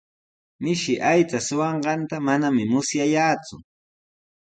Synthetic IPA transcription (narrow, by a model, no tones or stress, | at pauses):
mɪʃɪʔajt͡sasʊwɑɴɢɑnt̪amanamɪmʊsjajaːt͡sʊ